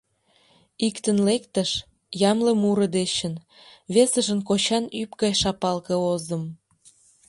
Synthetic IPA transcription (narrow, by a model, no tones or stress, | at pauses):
ikt̪ənlekt̪əʃ | jɑmləmuɾə̆d̪et͡ɕən | βesəʒənkot͡ɕɑnypɡɑjʃɑpɑlkɤ̆ozə̆m